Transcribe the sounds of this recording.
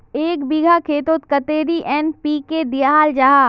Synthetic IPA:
eːkbiɡʱakʰeːt̪oːt̪kɐt̪eːɾiʔɛːnpiːked̪ijaɦaːld͡ʒaːɦaː

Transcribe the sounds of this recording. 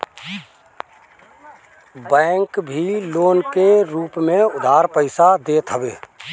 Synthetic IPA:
bɛ̃ːŋkbʱiloːnkeɾuːpmẽʊd̪ʱaːɾpəɪsad̪eːt̪ɦəʋeː

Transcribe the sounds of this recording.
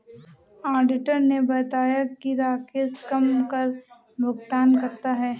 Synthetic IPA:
aːɾɖɪʈəɾnebɐt̪aːjakiɾaːkʰeskɐmkɐɾ | bʱʊɡt̪aːnkɐɾt̪aɦɛː

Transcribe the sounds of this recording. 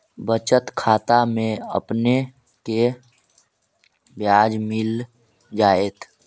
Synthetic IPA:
bət͡ʃət̪kʰaːt̪amẽə̰pne | ke | bjaːd͡ʒmɪl | d͡ʒaːeːt̪ʰ

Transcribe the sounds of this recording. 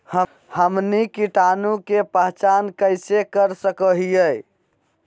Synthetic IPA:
hə | həmnikiʈanukepəɦt͡ʃankəɪsekəɾsəkəɦijəj

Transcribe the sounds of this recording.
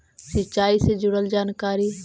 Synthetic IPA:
sət͡ʃːaːiseːd͡ʒʊɽəld͡ʒaːnkaːɾiː

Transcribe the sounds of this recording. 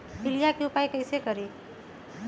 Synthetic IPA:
bilijakeupajkəɪsekəɾe

